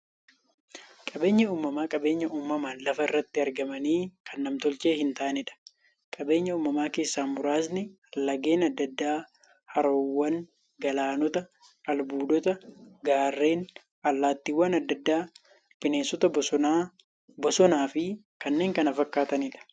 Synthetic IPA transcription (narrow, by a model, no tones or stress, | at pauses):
kʼɐbe̞ːɲːɐuːmɐmaːkʼɐbe̞ːɲːɐʔuːmːɐmaːnlɐfɐɪrːɐt̪ːɪɐɾɡɐmɐniːkɐnːɐmt̪ɔlt͡ʃe̞ːhɪnt̪ɐʔɐnɪᶑɐ̥ | kʼɐbe̞ːɲːɐuːmɐmaːke̞ːsːaːmʊɾaːsnɪ | lːɐɡe̞ːnɐd̪ːɐd̪ːaː | hɐɾoːwːɐŋ | ɡɐlaːnɔt̪ɐ | ɐlbuːd̪ɔt̪ɐɡaːrːe̞ːn | ɐlːaːt̪ːiːwːɐnɐd̪ːɐd̪ːaː | pɪneːnsːɔt̪ɐb | bɔsɔnaːfɪ | kɐnːe̞ːŋkɐnɐfɐkːaːt̪ɐnɪᶑɐ̥